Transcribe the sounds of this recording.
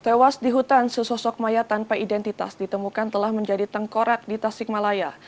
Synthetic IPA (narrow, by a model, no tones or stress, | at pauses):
t̪ewasdiɦut̪ansəsɔsɔk̚majat̪anpaidɛnt̪it̪a̰sdit̪əmukant̪əlahməɲd͡ʒadit̪əŋkoɾat̪̚dit̪asɪk̚malaja